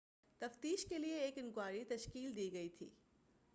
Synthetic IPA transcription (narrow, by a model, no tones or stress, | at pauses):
t̪ɐft̪iːʃkelieːkɪnkwaːɾit̪ɐʃkiːld̪iːɡɐit̪ʰḭː